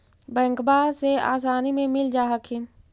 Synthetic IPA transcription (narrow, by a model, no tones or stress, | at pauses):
bɛ̃ŋkbaːsea̰ːs̬aːnimẽmɪld͡ʒaːɦəkʰɪn